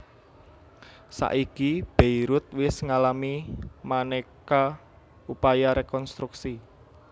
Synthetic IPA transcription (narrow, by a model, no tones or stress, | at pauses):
sa̰ʔikib̥eiɾʊt̪̚wɪsŋalamimaneka | upajaɾekɔnst̪ɾuksi